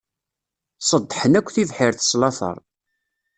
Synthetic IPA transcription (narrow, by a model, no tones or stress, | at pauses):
sˤəd̪ˤːħənækʷːθivħɪɾθə̥slɑθə̰ɾˤ